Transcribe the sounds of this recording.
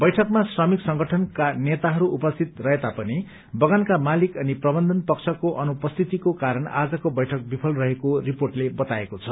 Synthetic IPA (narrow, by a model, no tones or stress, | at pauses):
bʌjʈʰʌkmasrʌmiksʌŋɡʌʈʰʌnkanet̪aɦʌɾuʔupʌst̪ʰit̪rʌɦet̪apʌni | bʌɡankamalikʌniprʌbʌnd̪ʱʌnpʌkt͡sʰʌkoʔʌnupʌst̪ʰit̪ikokaɾʌna̰d͡zʌkobʌjʈʰʌk̚bipʰʌlrʌɦekoriporʈlebʌt̪aekot͡sʰʌ